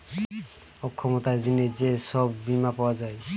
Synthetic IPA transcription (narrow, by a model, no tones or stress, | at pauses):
ɔkʰːɔmot̪aezined͡ʑesɔbːimapawad͡ʒae